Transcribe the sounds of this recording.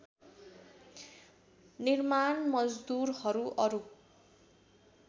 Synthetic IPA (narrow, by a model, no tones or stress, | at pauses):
nirmanmʌd͡zd̪urhʌɾuʔʌɾu